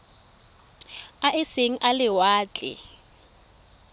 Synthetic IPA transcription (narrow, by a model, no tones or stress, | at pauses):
aʔɪseŋ̩ʔalɪwaːt͡ɬʼɪ̰